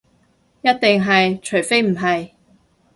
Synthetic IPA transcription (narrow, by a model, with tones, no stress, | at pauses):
jɐ˥t̚t̪ɪ˨ŋɦɐ˨jt͡ʃʰɵ˨˩ɥfe˥jm̩˨˩ɦɐ˨j